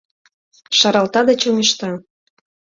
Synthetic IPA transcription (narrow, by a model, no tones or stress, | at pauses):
ʃɑɾɑlt̪ɑd̪et͡ɕomʲiʃt̪ɑ